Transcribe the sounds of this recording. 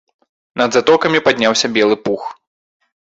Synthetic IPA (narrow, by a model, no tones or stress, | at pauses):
nɐd̪zat̪ɔkɐmʲipad̪ʲnʲawsʲɐbʲɛlˠɨpux